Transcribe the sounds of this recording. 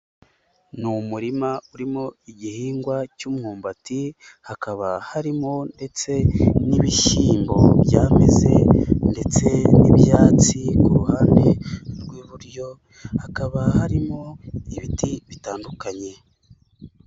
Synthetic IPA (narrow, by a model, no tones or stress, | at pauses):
numuɾimauɾimo̞iɟihiːŋɡwacuːmhuːmbati | hakaβahaɾimo̞nde̞t͡se̞niβiʃiːmbo̞̰βjaːme̞̰ze̞̰nde̞t͡se̞nḭβjaːt͡sikuɾuhaːnde̞ɾɡwiːβuɾjo̞ | hakaβahaɾimo̞iβitiβitaːndukaɲe̞